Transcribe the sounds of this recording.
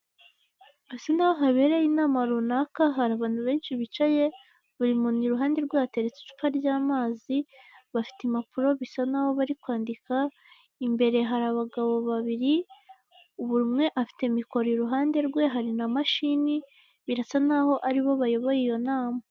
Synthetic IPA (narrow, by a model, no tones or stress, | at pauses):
asanahoɦaβe̞ːɾejinaːmaɾunakaɦaɾaβaːn̥huβe̞ːnʃiβit͡ʃaje̞ | βuɾimuniɾuɦaːnde̞ɾɡwaːte̞ɾet͡se̥t͡ʃu̥paɾɟaːmaːziβafi̥temapuɾo̞βisanaβo̞βaɾikwaːndika | imbe̞ɾe̞ɦaɾaβaɡaβo̞βaβiɾi | uβuɾumŋe̞ʔafi̥te̞miko̞ɾiɾuɦaːnde̞ɾɡwe̞ɦaɾinamaʃini | βiɾasanaɦo̞ʔaɾiβo̞βajo̞βo̞jijo̞naːma